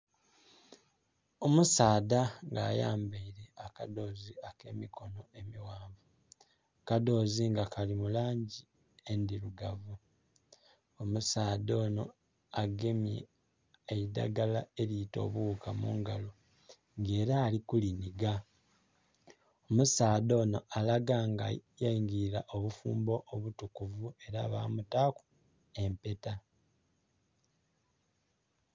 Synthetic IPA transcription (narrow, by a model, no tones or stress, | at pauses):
o̞musaːdaŋɡa̰ːja̰ːmbeiɾe̞akado̞ːziake̞̰ːmikʰo̞no̞e̞miwaːmvu | kado̞ːziŋɡakʰalimulaːɲɟi | e̞ndiɾuɡavu | omusaːdo̞ːno̞ | aɡemi | eida̰ɡalae̞lito̞̰βukamuːŋɡalo | ŋɡe̞ːɾaːlikuliniɡa | omusaːdo̞ːno̞alaɡaːŋɡa̰jajiŋɡilaʔoβufuːmbo̞ʔːβutukuvue̞ɾaβa̰ːmutaku̥ | e̞mpe̞ta